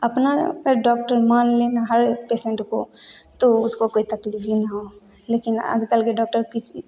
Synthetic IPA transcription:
ɐpna̰kəɾɖɔːk̚ʈəɾmaːnlenaɦəɾpeːsẽɳʈkot̪oʊskokoːit̪ɐklifinaɦo | leːkɪna̰ːd͡ʒkəlkeɖɔːk̚ʈəɾkɪsi

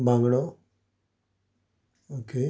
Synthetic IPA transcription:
bãŋɡɐɽo | oːke

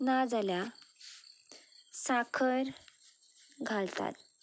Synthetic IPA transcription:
nad͡zalja | sakʰəɾ | ɡʱalt̪a̰t̪̚

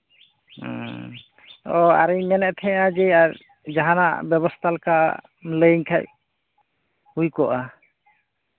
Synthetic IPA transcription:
ɔa̰ɾiɲmɛnɛʔt̪ʰɛ̃ad͡ʒɛaɾ | d͡ʒaɦana̰ʔbɛbɔst̪ʰalka | mləɲkʰaʔ̚ | hujkɔʔa

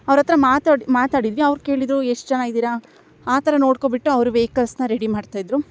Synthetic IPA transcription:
ɐʋɾɐt̪ɾɐmaːt̪aimaːt̪aːɽid̪ʋiɐʋɾke̞ːɭid̪ɾueʂʈt͡ʃɐnaːɡid̪iːɾɐ | aːt̪ɐɾɐno̞ːɽkobiʈːuɐʋɾuʋeːkɐlsnɐɾeɽimaːɖt̪aːjd̪ɾu

